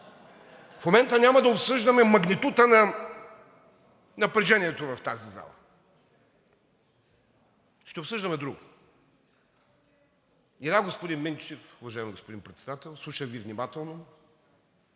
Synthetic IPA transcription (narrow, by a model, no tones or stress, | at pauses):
fmomɛnt̪ənʲamɐd̪ɐopsɤʒd̪ɐmɛmɐɡnit̪ut̪ənɐ | nɐpɾɛʒɛniɛt̪ovɐft̪aziza̰lˠɐ̰ | ʃt̪ɛopsɤʒd̪əmɛd̪ɾuɡʊ | iɾaɡospod̪inmint͡ʃifʊvɐʒaɪimiɡospod̪inpɾɛt̪sɛd̪at̪ɛlˠslˠuʃəɡʲivnʲimat̪ɛlˠno